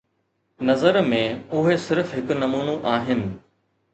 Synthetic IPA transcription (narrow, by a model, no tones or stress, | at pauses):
nɐzəɾmẽʊɦesɪɾfɦɪkʊnɐmuːnuʔaːɦɪnɪ̆